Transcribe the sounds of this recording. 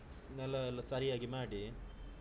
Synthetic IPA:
nɛlːɐɛlːɐsɐɾijaːɡimaːɽi

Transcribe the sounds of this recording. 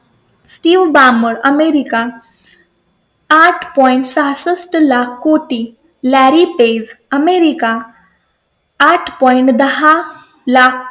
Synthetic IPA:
sʈiːʋbaːməɾɐmeɾika | aʈʰpɔɪɳʈsasəsʈlaːkʰːoːʈi | lɛɾipeːzəmeɾika | ʈʰpɔɪɳʈd̪ɐɦa | lak̚ʰ

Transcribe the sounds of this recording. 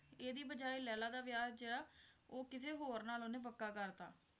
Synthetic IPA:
eːd̪iːbəd͡ʒaːiːlɛːlaːd̪aːʋjaːɾd͡ʒeːɽaːoːkɪseːɦoːɾnaːloːnẽːpəkːaːkəɾt̪a̰ː

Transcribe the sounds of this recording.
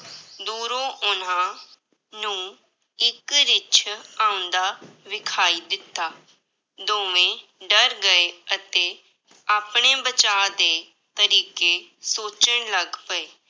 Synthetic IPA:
d̪uːɾõːʔʊnãː | nũː | ɪkɾɪt͡ʃʰaːʊ̃nd̪aːʋɪkʰaːiːd̪ɪt̪ːaː | d̪oːʋẽːɖəɾɡəeət̪eː | aːpɽ̃eːbət͡ʃaːd̪eː | t̪əɾiːkeːsoːt͡ʃəɽ̃ləɡpəeː

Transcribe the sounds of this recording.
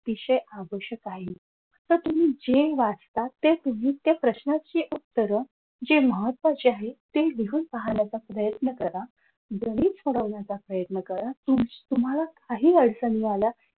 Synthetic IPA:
ʋiɕəjaʋəɕjəkaɦi | t̪əɾt̪um̤iːd͡ʑeʋad͡zt̪at̪ːet̪um̤iːt̪japɾəɕnat͡ɕiʔut̪ːəɾə | d͡ʑeməɦət̪ːʋat͡ɕeaɦet̪eliɦuːnpaɦanjat͡sapɾəjət̪nəkəɾa | d̪ʱəɽ̃iːsoɽəʋɳjat͡sapɾəjət̪nəkəɾat̪umt̪um̤alakaɦiːəɽsənialja

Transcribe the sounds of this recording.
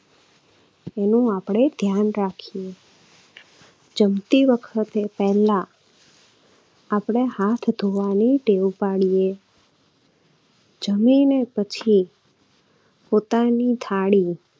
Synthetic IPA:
enũapɽ̃ed̪ʱjanɾakʰije | d͡ʒəmt̪iʋəkʰət̪epɛɦlã | pɽ̃ehat̪ʰd̪ʱoʋaniɖewpaɽije | d͡ʒəminepət͡ʃʰi | pot̪anit̪ʰaɽi

